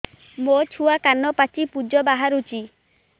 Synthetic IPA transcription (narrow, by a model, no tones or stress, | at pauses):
mot͡ʃʰuakanɔpat͡ʃipud͡ʒɔbaɦaɾut͡ʃʰi